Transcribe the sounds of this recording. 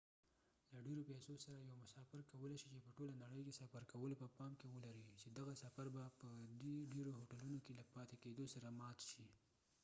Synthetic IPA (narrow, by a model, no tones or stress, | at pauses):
laɖeɾopɛsosaɾajawmʊsɑfɪɾkawəleʃit͡ʃepəʈolanaɽəjkesafaɾkawəlopəpɑmkewəlaɾit͡ʃed̪aɣasafaɾbapəd̪eɖeɾoɦoʈalunokelapɑt̪eked̪osaɾamɑt̪ʃi